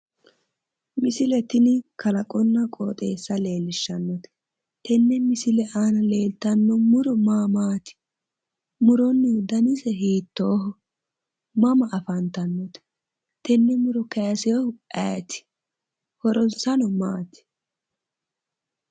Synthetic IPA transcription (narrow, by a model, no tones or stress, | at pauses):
mɪsɪlɛt̪ɪnɪkɐlɐkʼɔnːɐkʼo̰ːt̪ʼe̞ːsːɐle̞ːlɪʃːɐnːɔt̪ɛ̥ | t̪ɛnːɛmɪsɪlɛʔaːnɐle̞ːlt̪ɐnːɔmʊɾɔmaːmaːt̪ɪ̥ | mʊɾɔnːɪd̪ɐnɪsɛɦiːt̪ːoːɦɔ | mɐmɐʔɐfɐnt̪ɐnːɔt̪ɛ̥ | t̪ɛnːɛmʊɾɔkɐjɐsɛɔhʊɛːt̪ɪ̥ | hɔɾɔnsɐnɔmaːt̪ɪ̥